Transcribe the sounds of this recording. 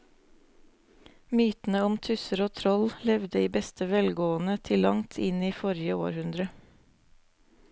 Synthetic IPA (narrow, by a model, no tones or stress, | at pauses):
myːt̪n̩əɔmt̪ʰʉsəɾoːt̪ʰɾɔllɛʋd̪əiːbɛst̪ʰəʋɛlɡoːənət̪ʰɪlɑŋt̪ʰɪniːfɔɾjəo̰ːɾhʉnd̪ɾə